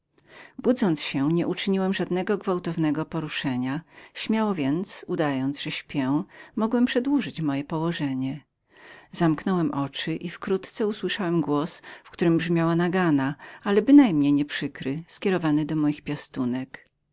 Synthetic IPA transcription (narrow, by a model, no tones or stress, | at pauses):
bud̪zɔnt̪sɕɛɲɛʔut͡ʂɘɲiwɛmʐad̪nɛɡɔɡvawt̪ɔvnɛɡɔpɔɾuʂɛɲaɕmʲjawɔvʲjɛnt̪sud̪ajɔnd̪zʐ̥ɛɕpʲjɛ̃mɔɡwɛmpʂɛd̪wuʐɘt͡ɕmɔjɛpɔwɔʐɛɲɛ | zamknɔwɛmʔɔt͡ʂɘʔifkɾut̪t̪sɛuswɘʂawɛmɡwɔsfkt̪uɾɘmbʐmʲjawanaɡanaalɛbɘnajmɲejɲɛpʂɘkɾɘskʲɛɾɔvanɘd̪ɔmɔjixpʲjast̪unɛk